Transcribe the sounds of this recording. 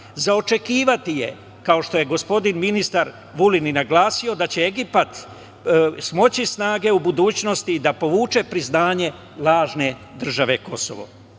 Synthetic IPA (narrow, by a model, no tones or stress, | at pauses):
zaot͡ʃe̞kiːʋat̪ije̞ | kao̞ʃt̪o̞je̞ɡo̞spo̞d̪inminist̪aɾ | ʋulininaɡlaːsio̞d̪at͡ɕe̞e̞ɡipat̪ | smo̞t͡ɕisnaːɡe̞ubud̪uːt͡ɕno̞st̪id̪apo̞ʋuːt͡ʃe̞pɾiznaːɲe̞ | lˠaːʒne̞d̪r̩ʒaʋe̞ko̞so̞̰ʋo̰